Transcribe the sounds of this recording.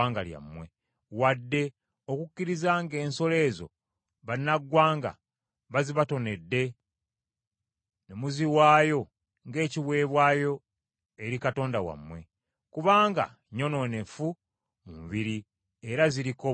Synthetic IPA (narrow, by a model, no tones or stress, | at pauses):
aːŋɡalja̰mːwe̞ | wadːe̞ | okucːiɾizaŋɡe̞ːnso̞le̞ːzo̞̰ | βanːaɡːwaːŋɡa̰ | βaziβato̞ne̞dːe̞ | nemuziwaːjo̞ | ŋɡe̞ːciβwe̞ːβwaːjo̞ | e̞ɾikato̞ːndawa̰mwe̞̰ | kuβaːŋɡa̰ | ɲo̞no̞ne̞fu | mumuβiɾi | eɾaziɾiko